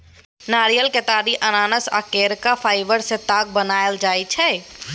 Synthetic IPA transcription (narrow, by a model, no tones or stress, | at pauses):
naːɾijəlket̪aːɾiʔɐnaːnəsa̰keːɾkafʰaːɪʋəɾset̪aːɡ̚bənaːjld͡ʒaːit͡ʃʰɛ